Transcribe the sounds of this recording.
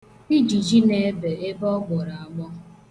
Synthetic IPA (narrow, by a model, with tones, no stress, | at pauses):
i˦d͡ʒi˨d͡ʒi˦ne˦be˨e˦bɔ˦ɡʷɔ˨ɾa˨a˨ɡ͡bɔ˦